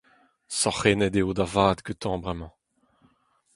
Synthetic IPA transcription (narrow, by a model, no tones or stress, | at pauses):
sɔχeːnɛd̪eod̪avaːd̪køt̪ɑ̃bʁɛmɑ̃